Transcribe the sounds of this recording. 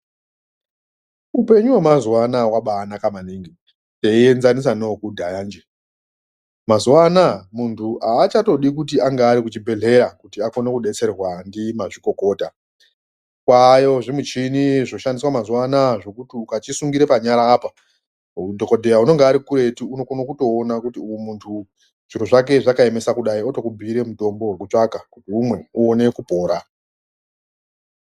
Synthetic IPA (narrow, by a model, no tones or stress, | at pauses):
upe̞ɲuwemazuwanawaɓaːnakamaniŋɡi | neie̞nzanis̬anokudʱajaːnd͡ʒe | mazuwanamuntʰuʔaːt͡ʃato̞ɗik̬utiaŋɡaːɾikut͡ʃibʱe̞ɮe̞ɾakutiako̞nekuɗe̞t͡se̞rrwandimaʐiko̞ko̞ːta | kwajo̞ʐimut͡ʃiniʐo̞ʃandiswamazuwanaʐo̞kutiukat͡ʃisuŋɡiɾe̞paɲaɾaːpa | dʱo̞ko̞dʱejauno̞ŋɡaːɾikuɾe̞tiunokonokuto̞ːnakutimuntʰu | ʐ̥iɾoʐak̬e̞ʐakae̞me̞sakuɗaio̞to̞kubʱiːɾe̞muto̞mbo̞wekut͡ʂakakutiumwe̞uone̞kupo̞ːɾa